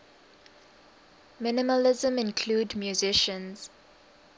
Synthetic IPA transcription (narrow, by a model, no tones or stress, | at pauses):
mɪnɪməlɪzə̃mɪ̃nkʰluːdmjuzɪʃə̃nz̥